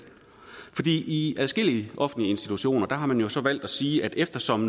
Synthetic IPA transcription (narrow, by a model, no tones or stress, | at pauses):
fɒ̽d̥ḭːiælsɡ̥e̝l̰iəʔɒ̽fn̩dlie̝nsd̥it͡sʰuɕo̝̰ːnɐd̥ɑ̈ɦɑ̈mænjo̝sɒ̽ʋæl̰d̥æsiːʔæd̥efd̥ɐsɒ̽m